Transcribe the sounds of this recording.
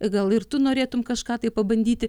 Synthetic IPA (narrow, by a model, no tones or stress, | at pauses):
ɡɐlˠɪrt̪ʊnoːɾʲeːt̪ʊmkɐʃkɑːt̪ɐɪpɐbɐnʲd̪ʲiːt̪ʲɪ